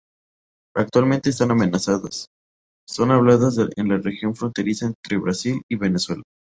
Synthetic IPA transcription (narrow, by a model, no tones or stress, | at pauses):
ak̚t̪walmẽnt̪eːst̪aname̞nasaðasː | o̞naβlaðazenlarexjo̞ɱfɾo̞nt̪e̞ɾisae̞nt̪ɾe̞βɾasiliβe̞neswe̞la